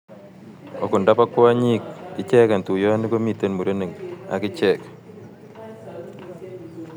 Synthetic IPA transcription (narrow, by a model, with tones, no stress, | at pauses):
ɔ̰˨kʊ˨nda˦pa˦kwa˦ɲi˦k̚ːɪ˨t͡ʃɛ˦ka˨ntu˨jɔ˦ni˦ko˦mi˨te˦nmu˨ɾe˦ne˨ŋa̰˨kɪ˦t͡ʃɛ˨k